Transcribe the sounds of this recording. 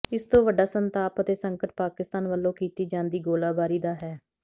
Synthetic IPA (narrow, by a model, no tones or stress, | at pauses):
ɪst̪õːʋəɖaːsənt̪aːpət̪eːsəŋkəʈ̚paːkɪst̪aːnʋəlːõːkiːt̪iːd͡ʒãːnd̪iːɡoːlaːbaːɾiːd̪aːɦɛː